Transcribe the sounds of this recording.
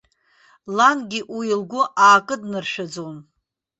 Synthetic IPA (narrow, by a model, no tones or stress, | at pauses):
lanɡʲiʔiilɡʷʊʔaːkʼɨdnɨrʃᶣad͡zown